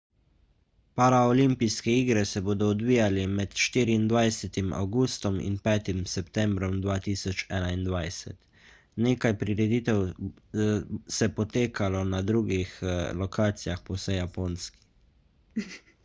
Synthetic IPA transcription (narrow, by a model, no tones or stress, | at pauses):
paɾaɔlimpijskɛiːɡɾɛsɛboːd̪ɔːd̪ʋiːjalɛmɛt̪ʃt̪iːɾiːnd̪ʋajsɛt̪imʔa̰wɡuːst̪ɔmḭnpɛːt̪imsɛpt̪ɛmbɾɔmd̪ʋaːt̪isɔt͡ʃɛːnaind̪ʋajsɛ̰t̪ | neːkajpɾiɾɛd̪it̪ɛw | sɛpɔt̪eːkʰalɔnad̪ɾuːɡixlɔkʰaːt̪sijaxpɔwsɛjapoːnski̥